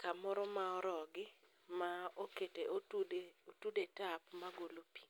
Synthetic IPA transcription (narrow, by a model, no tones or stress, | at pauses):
kamɔɾɔmaɔɾɔɡɪ | maoketeodeotudetapmaɡolopi̥